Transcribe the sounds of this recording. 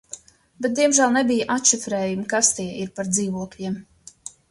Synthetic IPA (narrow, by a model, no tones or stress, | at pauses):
bɛt̪̚d̪ʲiɛmʒæːlˠnɛbijəʔat̪ʃifɾɛːjumkast̪iɛiɾpaɾd̪ziːvuɔklʲiɛm